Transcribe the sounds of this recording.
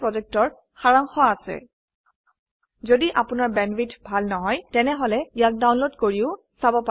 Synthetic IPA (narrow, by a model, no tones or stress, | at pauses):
pɹɔzɛk̚tɔɹ | xaɹaŋxɔaːsɛ̰ | zodiʔapʊnaɹbɛnbitbʱalnɔɦɔjtɛnɛɦɔlɛijak̚dawnlodkoɹiʊ | sabɔpa